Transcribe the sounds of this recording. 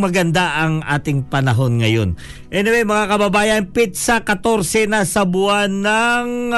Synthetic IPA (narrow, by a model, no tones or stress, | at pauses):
mɐɡɐnd̪aʔɐŋʔa̰ːt̪ɪŋpɐnɐɦo̞nŋɐjo̞n | ʔɛnomɛjmɐŋakɐbɐbaːjɐnpit̪̚sɐkɐt̪o̞ɾsɛnasɐbʊanaŋ